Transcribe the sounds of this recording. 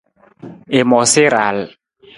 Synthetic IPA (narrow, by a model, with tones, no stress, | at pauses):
e˨mɔ˨se˦ɾa˨l